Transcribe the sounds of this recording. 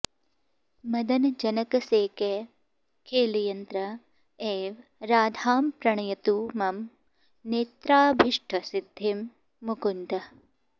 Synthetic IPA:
mɐd̪ɐnɐd͡ʒɐnɐkɐseːke | kʰeːlijɐnt̪ɾɐ | eːʋɾaːd̪ʱaːmpɾɐɳɐjɐt̪uːmɐm | neːt̪ɾaːbʱiʂʈʰɐsid̪ʱːimː | ukund̪ɐ

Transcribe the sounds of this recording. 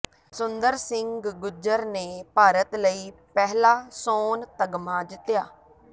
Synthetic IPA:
sʊnd̪əɾsɪŋɡɡɡʊd͡ʒəɾneːpaːɾət̪ləiːpɛɦlaːsoːnt̪əɡmaːd͡ʒɪt̪ːjaː

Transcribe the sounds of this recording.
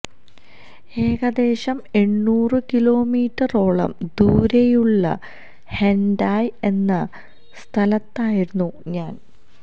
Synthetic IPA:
e̞ːɣɐd̪e̞ːɕɐme̞ɳːuːrɨkilo̞ːmiːʈːɐro̞ːɭɐ̰md̪uːɾejuɭːɐ̰ | hendaːje̞nːɐ | st̪ʰɐlɐt̪ːaːjiɾunːuɲaːn

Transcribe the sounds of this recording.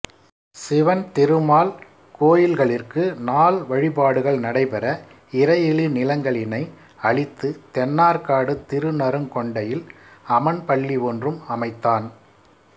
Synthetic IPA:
sɪʋɐnt̪ɪɾɯmaːl | koːjɪlɣɐɭɪrkɯnaːlʋɐɻɪpaːɽɯɣɐɭnɐɽɐɪpɛɾɐ | ɪɾɐjɪɭinɪlɐŋɡɐɭɪnɐɪ | ɐɭɪt̪ːɯt̪ɛnːaːɾkaːɽɯt̪ɪɾɯnɐɾɯmkɔɳɖɐjɪlɐmɐnpɐɭːiʋɔndrɯmɐmɐɪt̪ːaːn

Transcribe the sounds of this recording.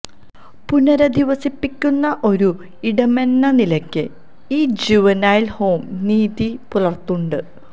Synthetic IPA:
punɐɾɐd̪iʋɐsipːikʲːunːɐʔo̞ɾu | iɽɐme̞nːɐnilɐkʲːɨ | iːd͡ʑiʋɐnaːjilho̞ːmniːðipulɐrt̪ːuɳɖɨ

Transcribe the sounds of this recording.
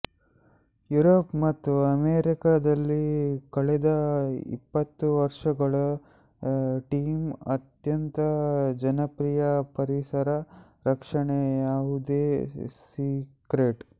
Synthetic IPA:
juɾopmɐt̪ːuɐmeːɾikad̪ɐlːikɐɭɛd̪ɐḭpːɐt̪ːuʋɐɾʂɐɡɐɭɐ | ʈiːmɐt̪jɐnt̪ɐd͡ʒɐnɐpɾijɐpɐɾisɐɾɐ | ɾɐkʂɐɳejaːʋud̪eːsikɾeʈ

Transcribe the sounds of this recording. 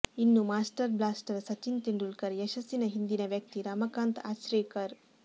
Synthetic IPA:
inːumaːsʈɐɾblaːsʈɐɾsɐt͡ʃint̪iɳɖulkɐɾjɛʃɐsinɐɦind̪inɐʋjɐk̚t̪iɾaːmɐkaːnt̪a̰ːʃɾeːkɐɾ

